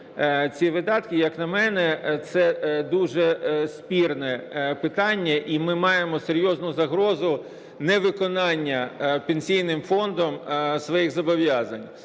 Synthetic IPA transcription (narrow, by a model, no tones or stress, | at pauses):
t͡sʲiʋɪd̪ɑt̪kɪjɐknɐmɛnɛt̪sɛd̪uʒɛsʲpʲirnɛpɪt̪ɑnʲːɐʔimɪmɑjemɔseɾʲjɔznʊzɐɦɾɔzʊ | nɛʋɪkɔnɑnʲːɐpenʲsʲijnɪmfɔnd̪ɔmsʋɔjiɣzɐbɔʋjɑzɐnʲ